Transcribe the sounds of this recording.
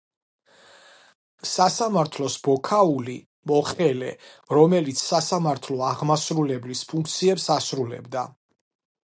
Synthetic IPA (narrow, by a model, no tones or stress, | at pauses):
sasamaɾt̪ʰlɔsbɔkʰauli | mɔχɛlɛ̰ɾɔmɛlit̪sʰsasamaɾt̪ʰlɔaʁmasɾulɛblispʰuŋkʰt̪sʰiɛpsasɾulɛ̰bd̪a